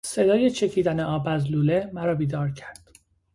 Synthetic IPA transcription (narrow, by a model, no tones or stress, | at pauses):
sed̪ɒːjet͡ʃʰe̞cʰiːd̪æneɒːbæzluːlemæɾɒːbiːd̪ɒːɾcʰæɾd̪̥